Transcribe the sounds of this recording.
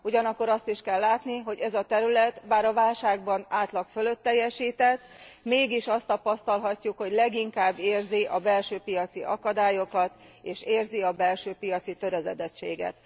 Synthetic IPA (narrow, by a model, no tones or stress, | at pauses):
uɟɒnɒkːo̞ɾɒst̪iʃkɛlːaːt̪niɦo̞ɟɛzɒt̪ɛɾylɛt̪baːɾɒvaːlʃaːɡ̚bɒnaːt̪lɒkfølø̞t̪ːɛjːɛʃiːt̪ɛt̪ːmeːɡiʃɒst̪ɒpɒst̪ɒlɦɒcːukho̞ɟlɛɡiŋkaːbːeːrziʔɒbɛlʃøːpijɒt̪siʔɒkɒd̪aːjo̞kɒt̪eːʃeːrziɒbɛlʃøːpijɒt̪sit̪øɾɛzɛd̪ɛt͡ʃːḛːɡɛ̰t̪